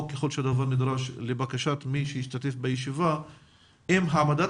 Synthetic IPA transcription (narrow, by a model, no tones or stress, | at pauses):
keχo̞lʃead̪avaɾnid̪ʁaʃlebakaʃat̪miʃejiʃt̪at̪e̞fbejeʃiva | imɦamad̪a